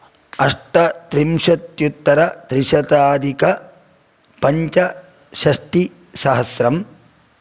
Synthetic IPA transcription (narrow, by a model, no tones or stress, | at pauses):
ɐʂʈɐt̪ɾimʃɐt̪jut̪ːɐɾɐt̪ɾiʃɐt̪aːd̪ikɐ | pɐɲt͡ʃɐ | ʃɐʂʈi | sɐɦɐsɾɐm